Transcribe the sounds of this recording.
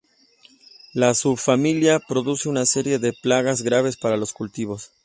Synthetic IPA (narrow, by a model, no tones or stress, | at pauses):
lasubfamiljapɾo̞ðuse̞unase̞ɾje̞ðe̞plaɣazɣɾaβ̞e̞spaɾalo̞skult̪iβ̞o̞s